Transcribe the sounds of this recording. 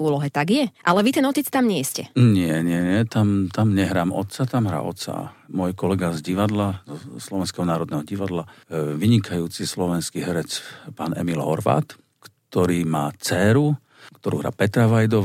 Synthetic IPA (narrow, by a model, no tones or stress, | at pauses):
uːlɔɦɛt̪aɡjɛʔalɛʋit̪ɛnɔc̪it͡st̪amɲɪɛscɛ̰ɲɪɛɲɪɛɲɪɛt̪amt̪amɲɛɦɾaːmɔ̰t̪t͡sat̪amɦɾa̰ːɔ̰t̪t͡sa̰mʊɔjkɔlɛɡazɟiʋad̪lazɔslɔʋɛnskɛɦɔnaːɾɔd̪nɛɦɔɟiʋad̪laʋiɲikʰajuːt͡sislɔʋɛnskiɦɛɾɛt͡spaːnɛ̰milɦɔ̰ɾʋa̰ːt̪ | kt̪ɔɾiːmaːt͡sɛɾu | kt̪ɔɾṵːɦɾa̰ːpɛt̪ɾaʋajd̪ɔ